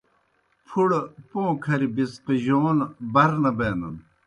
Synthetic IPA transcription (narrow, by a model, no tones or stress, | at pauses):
pʰuɽpõːkʰɐɾibisqiʑoːnbɐɾnɐbeːnɐ̰n